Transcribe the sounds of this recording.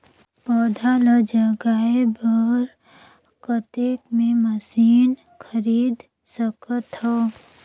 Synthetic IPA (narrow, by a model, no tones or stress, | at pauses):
pɔːd̪ʱaləd͡ʒəɡaːebəɾ | kət̪eːkmẽməsiːn | kʰəɾiːd̪ | səkət̪ɦɔ